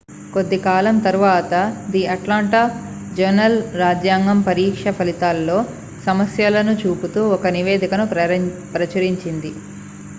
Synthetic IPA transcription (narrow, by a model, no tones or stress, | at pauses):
ko̞d̪ːikaːlɐmt̪ɐɾuʋaːt̪ɐd̪iɐʈlaːɳʈaː | d͡ʒɐɾnɐlɾaːd͡ʒjaːŋɡɐmpɐɾiːkʂɐpʰɐlit̪aːlːo̞ː | sɐmɐsjɐlɐnut͡ʃuːput̪uːɔkɐniʋeːd̪ʱikɐnupɾɐpɾɐt͡ʃɐɾiɲt͡ʃind̪i